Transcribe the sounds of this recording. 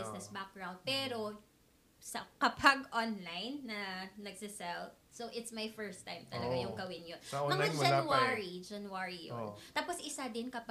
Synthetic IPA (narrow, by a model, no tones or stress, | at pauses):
ɪsnɛsbak̚ɡɹawnd̪̚pɛːɾo̞ | sɐkɐpʰɐɡʔonlajnːɐnɐɡ̚sɪsɛl | soʔɪt̪smɐjfɛɹst̪ːa̰jmt̪ɐlɐɡajʊŋɡɐwɪnjonɐŋad͡ʒɐwaɹid͡ʒɐnwaɹijo̰nt̪aːposʔɪsad̪ɪnkɐpa